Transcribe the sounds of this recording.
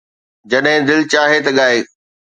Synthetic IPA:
d͡ʑɐɗɦɪ̃d̪ɪlt͡ɕaːɦet̪ɐɠaːeː

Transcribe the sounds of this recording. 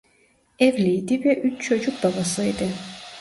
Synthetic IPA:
ɛvlʲijd̪ivɛʔyt͡ʃt͡ʃʰo̞d͡ʒuk̚babasɯid̪ɪ

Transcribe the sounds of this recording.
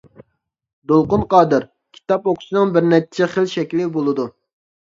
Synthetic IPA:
d̪olˠqʊnqɑːd̪ɨɾ | kʲʰi̥t̪ɑpoqʰʊ̥sɨnɨŋbɪɾnɛt͡ʃʰɛχəlʃɛkʲlɪbolˠɨd̪u

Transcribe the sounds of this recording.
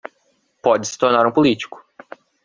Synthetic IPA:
pɔd͡ʒɪsɪ̥t̪oɾnaɾũpolit͡ʃi̥kʊ̥

